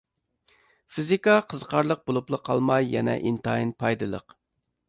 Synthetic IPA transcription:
fizikɑqʰəzqʰɑɾlˠəq̚bolˠuplˠəqʰɑlˠmɑjːɛnɛ̰ʔint̪ɑinpʰɑjd̪ɨlˠə̰q

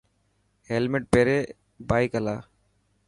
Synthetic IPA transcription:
helmɪʈ̚peːɾeː | baːikəlaː

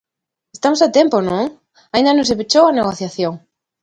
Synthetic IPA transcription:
est̪amosat̪emponõŋ | aĩnd̪anõŋsepet͡ʃowaneɣoθjaθjoŋ

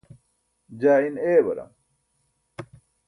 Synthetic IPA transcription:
d͡ʑaːineːbɐɾɐ̰m

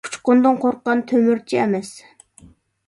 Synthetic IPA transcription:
u̥t͡ʃqʊnd̪ɨŋqʰoɾqːɑnt̪ʰømyɾt͡ʃʰiɛmɛs

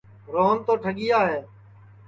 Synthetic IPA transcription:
ɾoːnt̪oːʈʰəɠɪjaːɦeː

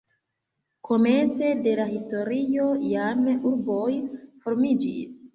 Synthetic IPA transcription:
kʰo̞me̞nt͡se̞de̞lahisto̞ɾio̞jamuɾbojfo̞ɾmid͡ʒḭs

